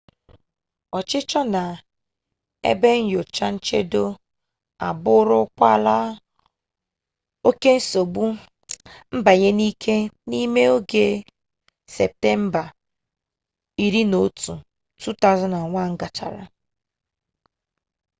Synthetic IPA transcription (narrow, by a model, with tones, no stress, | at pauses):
ɔ˨t͡ʃɪ˦t͡ʃɔ˦na˨ | ḛ˦be˦ŋ̩˦jo˨t͡ʃa˦n̩˦t͡ʃe˦do˦ | a̰˨bʊ˦ɾʊ˦kʷa˦˨la˦ | o˦ke˦n̩˦so˨ɡ͡bu˦ | m̩˦ba˨ɲe˦ni˦kʰe˦ni˦me˦o˦ɡe˨ | se˨p̚te˦m̩˦ba˨ | i˨ɾi˦no˦tu˨ | tu˦ta˦zɔ˦na˨ŋʷa˦˨ŋ̩˦ɡa˨t͡ʃa̰˨ɾa̰˨